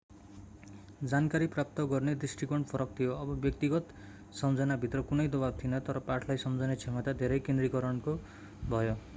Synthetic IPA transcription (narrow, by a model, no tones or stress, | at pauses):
d͡zankaɾiprap̚t̪ʌɡʌrned̪risʈikʌɳpʰʌɾʌkt̪ʰijoʌbʌbjʌk̚t̪iɡʌt̪ | sʌmd͡zʌnabʱit̪rʌkunʌjd̪obab̚t̪ʰinʌt̪ʌɾʌpaʈʰlajsʌmd͡zʌnet͡sʰemʌt̪ad̪ʱeɾʌjkend̪rikʌɾʌnko | bʱʌjo